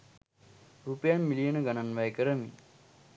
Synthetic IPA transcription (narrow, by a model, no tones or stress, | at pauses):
ɾuːpəjanmilijənəɡananʋajkəɾəmi